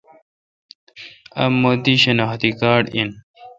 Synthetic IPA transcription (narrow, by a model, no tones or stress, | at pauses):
ɐmːod̪iɕɐnɑːxt̪ikaːɽin